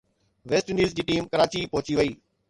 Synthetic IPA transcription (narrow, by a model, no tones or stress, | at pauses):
ʋeːsʈɪ̃ɳɖiːzd͡ʑiːʈiːmkɐɾaːt͡ɕipɔɦʊt͡ɕiʋɐiː